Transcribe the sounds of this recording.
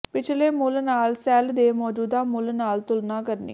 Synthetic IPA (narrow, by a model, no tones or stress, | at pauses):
pɪt͡ʃʰleːmʊlnaːlsɛːld̪eːmɔːd͡ʒuːd̪aːmʊlnaːlt̪ʊlnaːkəɾnḭː